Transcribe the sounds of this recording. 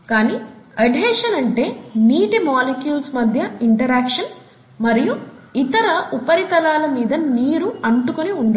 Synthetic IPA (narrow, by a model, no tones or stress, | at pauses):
kaːniːɐɖʱɛːʂɐnɐɳʈe̞ːniːʈimaːlekjuːlsmɐd̪ʱjɐiɳʈɐɾaːkʂɐn | mɐɾijuit̪ɐɾɐʔupɐɾit̪ɐlaːlɐmiːd̪ɐniːɾuɐɳʈukoniuɳɖa